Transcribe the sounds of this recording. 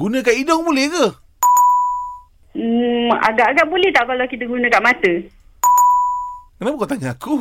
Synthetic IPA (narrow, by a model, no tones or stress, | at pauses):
ɡunə̃kaʔidɔŋbulɛhkə | a̰ɡaʔaɡaʔbulɛht̪aʔkalawkit̪əɡunə̃kaʔmat̪ə | kənapəkat̪aŋaaku